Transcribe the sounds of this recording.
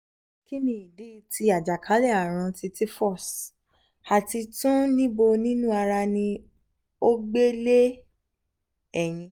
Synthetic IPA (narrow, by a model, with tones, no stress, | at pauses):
ki˦nĩ˨i˨di˦˧ti˧a˨d͡ʒa˨kʰa˨˦lɛ˦˨a˨ɾ̃ã˧ti˧ti˦fɔ˦˨s | a˨ti˧tũ˦nĩ˦bo˧nĩ˦nũ˦a˧ɾa˧nĩ˧ | o˦ɡ͡be˦le˦ | ɛ˦˨j̃ĩ˧˦